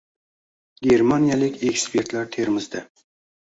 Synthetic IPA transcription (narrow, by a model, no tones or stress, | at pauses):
ɡʲe̞ɾmanijalɪkʲekspʰe̞ɾt̪laɾt̪ʰeɾmɪzd̪ɪ